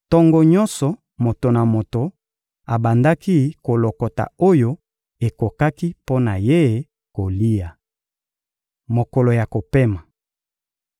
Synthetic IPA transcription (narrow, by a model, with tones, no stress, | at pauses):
tɔ˦ŋɡɔ˨ɲɔ˦nsɔ˨ | mo˨to˨na˨mo˨to˨ | a˨ba˨nda˦ki˦ko˨lo˨kɔ˨ta̰˨o˦jo˦ | e˨ko˨ka˦ki˦po˦na˨je˦˨ | ko˨li˦ja˨ | mo˨ko˨lo˨ja˨ko˨pe˦ma˨